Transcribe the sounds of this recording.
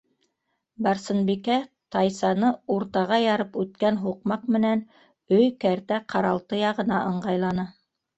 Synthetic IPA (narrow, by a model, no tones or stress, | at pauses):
bɑɾsɤ̆nbikæ | t̪ɑjsɑnɤuɾt̪ɑʁɑjɑɾɤpʉt̪kænɦuqmɑqmɘ̆næn | ɵjkæɾt̪æqʰɑɾɑlˠt̪ɤjɑʁɤ̆nɑʔɤ̆ɴɢɑjlˠɑnɤ